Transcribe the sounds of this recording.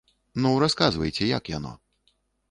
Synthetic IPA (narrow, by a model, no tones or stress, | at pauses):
nuɾaskazvɐjt͡sʲɛja̰kja̰nɔ̰